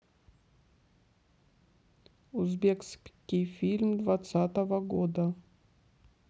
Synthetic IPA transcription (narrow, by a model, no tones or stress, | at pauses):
uzbʲekskʲijfʲilʲmd̪vat̪sat̪əvəɡod̪ə